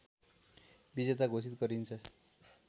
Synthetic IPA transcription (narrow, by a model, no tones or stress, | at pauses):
bid͡zet̪aɡʱosit̪ɡʌɾint͡sʰʌ